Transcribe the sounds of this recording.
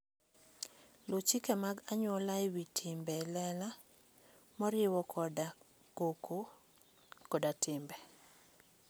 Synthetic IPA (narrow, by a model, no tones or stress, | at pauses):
lot͡ʃikamaɡaɲwɔlajwitʰɪmbɛlɛla | mɔɾɪwɔkda | ɡokʰo | kɔdatʰɪmbɛ